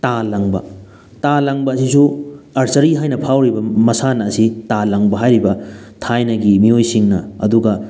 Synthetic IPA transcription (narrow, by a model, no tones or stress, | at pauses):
talɐŋbɐ̰ | talɐŋbɐːsisuɐɾsɐɾiɦajnɐpʰawɾibɐmɐsanɐːsitalɐŋbɐɦajɾibɐtʰajnɐɡimiojsiŋnɐɐ̰duɡɐ